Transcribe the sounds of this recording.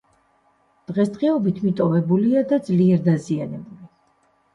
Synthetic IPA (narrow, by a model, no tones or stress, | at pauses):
d̪̥ʁɛsd̪ʁɛɔbit̪ʰmit̪ʼɔvɛbuliad̪ad̪zliɛɾd̪azianɛbuli